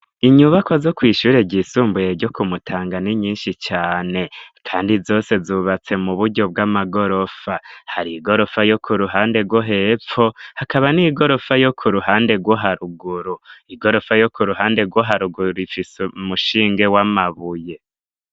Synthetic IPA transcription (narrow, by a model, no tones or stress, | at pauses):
iɲuβakozo̞kwiːʃuɾe̞ɟisuːmbujeɾɟo̞kumutʰaːŋɡaniɲiːnʃit͡ʃaːne̞kʰaːndizo̞ːse̞zuβat͡se̞muβuɾɟo̞b̚ɡamaɡo̞ɾo̞fahaɾiːɡo̞ɾo̞fajo̞kʰuɾuɦaːnde̞ɡwo̞ɦe̞p͡fo̞hakaβaniɡo̞ɾo̞fajokʰuɾuhaːnde̞ɡwoɦaɾuɡuɾuiɡo̞ɾo̞fajo̞kʰuɾuɦaːnde̞ɡwoɦaɾuɡuɾuifiseumuʃiːŋɡe̞wamaβuje̞